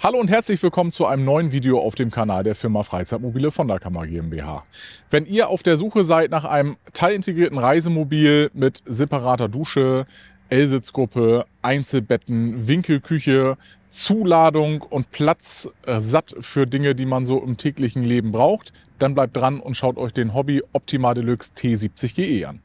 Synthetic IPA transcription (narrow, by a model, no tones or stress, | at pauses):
haloːʊnthɛɐt͡slɪçv̥ɪlkʰɔmənt͡suʔa̰ɪnəmnɔʏənviːdeoʔa̰ʊfd̥eːmkʰanaːldeːɐfɪɐmɐfʁ̥aɪt͡saɪtmobiːləfɔndɛɐkʰamɐ̰ɡḛːɛmbḛːha̰ːvɛniːɐʔa̰ʊfd̥eːɐzuːxəzaɪtnaːχʔa̰ɪnəmtʰaɪlɪnteɡʁiːɐtn̩ʁaɪzəmobiːlmɪtzepaʁaːtɐduːʃə | ʔɛlzɪt͡sɡ̥ʁʊpʰəʔaɪnt͡sl̩bɛtn̩vɪŋkl̩kʰʏçə | t͡suːlaːdʊŋʊntpʰl̥at͡szatfyːɐdɪŋədiːmanzoːʔɪmtʰɛːklɪçn̩leːbm̩bʁaʊxt | d̥anblaɪp̚d̥ʁanʊ̰ntʃaʊtɔʏçd̥eːnɦɔbiʔɔp̚tʰimaːldəlʏkstʰeːziːp̚t͡sɪçɡ̥eːʔeːʔa̰n